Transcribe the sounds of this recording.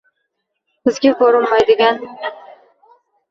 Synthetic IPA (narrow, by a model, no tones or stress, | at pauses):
bɪzɡʲakʰoɾɪmmajd̪ɪɡʲan